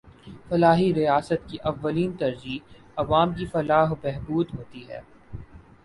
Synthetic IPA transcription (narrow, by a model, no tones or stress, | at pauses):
fɐlaːɦiɾijaːsət̪kiʔɐʋːəliːnt̪ɐɾd͡ʒiː | ɐʋaːmkifɐlaːɦbɛɦbuːd̪ɦoːt̪iɦɛ̰ː